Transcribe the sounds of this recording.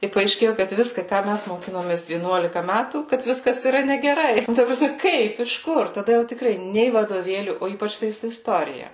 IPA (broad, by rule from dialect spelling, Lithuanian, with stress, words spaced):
ɪ pɐɐɪʃʲˈkʲeːjʊ kɐt ʋʲɪskɐ kɑː ˈmʲæs moːˈkʲɪnoːmʲeːs ʋʲiɛˈnuɔlʲɪkɐ ˈmʲætuː kɐt ˈʋʲɪskɐs iːˈrɐ nʲɛɡʲɛˈrɐɪ tɐ prɐˈsʲmʲɛ ˈkɐɪp ɪʃ ˈkʊr tɐˈdɐ jɛʊ tʲɪˈkrɐɪ ˈnʲɛɪ ʋɐdoːˈʋʲeːlʲuː oː ˈiːpɐt͡ʃ tɐɪ sʊ ɪsˈtoːrʲɪjɛ